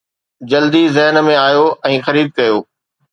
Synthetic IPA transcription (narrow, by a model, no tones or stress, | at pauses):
d͡ʑɐld̪izɪɦn̆mẽaːjoʔɛ̃ːxɐɾiːb̚kɐjoː